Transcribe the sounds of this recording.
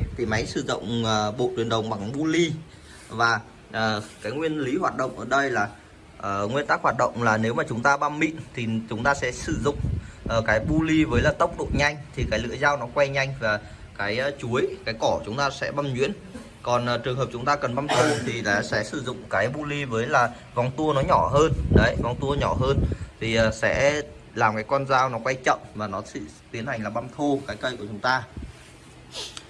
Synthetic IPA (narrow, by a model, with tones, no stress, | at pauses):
t̪ʰi˨˩ma˨˦jsɨ˧˩zʊ̰˧˨wŋ͡mːɓo̰˧˨t̪wi˨˩ənɗə˨˩wŋ͡mɓa˨˩ŋɓu˧li˧ | vaː˨˩ | ʔəː˨˩kaː˨˦jŋwi˧ənli˨˦ɦwaː˨˩t̚ɗə̰˧˨wŋ͡mʔəː˧˩ɗə˧jlaː˨˩ | ʔŋwi˧ənt̪aː˦˥k̚hwaː˨˩t̚ɗə̰˧˨wŋ͡mlaː˨˩ne˨˦wmaː˨˩t͡ɕʊ˨˦ŋ͡mt̪aː˧ɓa˧mːḭ˧˨nt̪ʰi˨˩t͡ɕʊ˨˦ŋ͡mt̪aː˧sɛ̰˧˥sɨ˧˩zʊ̰˧˨ŋ͡mʔə˨˩kaː˨˦jɓu˧li˧vəː˨˦jlaː˨˩t̪ə˦˥wk͡p̚ɗo̰˧˨ɲa˧jŋ̟t̪ʰi˨˩kaː˨˦jlɨ̰˧əzaː˧wnɔ˨˦kwa˧jɲa˧jŋ̟vaː˨˩ | kaː˨˦jt͡ɕu˨˦əjkaː˨˦jkɔ˧˩t͡ɕʊ˨˦ŋ͡mt̪aː˧sɛ̰˧˥ɓa˧mɲwḭ˧˥ən | kɔ˨˩nʔːt͡ɕɨ˨˩əŋɦəː˨˩p̚t͡ɕʊ˨˦ŋ͡mt̪aː˧kə˨˩nɓa˧mt̪ʰo˧t̪ʰi˨˩aː˨sɛ̰˧˥sɨ˧˩zʊ̰˧˨ŋ͡mkaː˨˦jɓu˧li˧vəː˨˦jlaː˨˩ | va˨˧˩wŋ͡mt̪u˧ənɔ˨˦ɲɔ˧˩ɦəː˧nɗə˨˦jvwŋ͡mt̪u˧ə˧ɲɔ˧˩ɦəː˧nt̪ʰi˨˩ʔəː˨˩sɛ̰˧˥ | laː˨˩mkaː˨˦jkwa˧nzaː˧wnɔ˨˦kwa˧jt͡ɕə̰˧˨mvaː˨˩nɔ˨˦sḭ˧˩˨ | t̪i˨˦ənha˨˩jŋ̟laː˨˩ɓa˧mt̪ʰo˧kaː˨˦jkə˧jku˧˩ət͡ɕʊ˨˦ŋ͡mt̪aː˧